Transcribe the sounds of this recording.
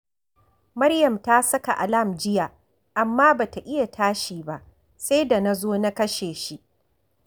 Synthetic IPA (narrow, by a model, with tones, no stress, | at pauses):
mɐ˦ɽjɐ˨mtaː˦sɐ˦ka˨ʔa˨la˦˨md͡ʒɪ˦ja˨ | ʔa˨mːaː˦baː˨ta˨ʔɪ˦ja˨tʰaː˦ʃiː˨ba˦ʔ | se˦da˨na˦zoː˦na˦kɐ˦ʃeː˨ʃi˦ʔ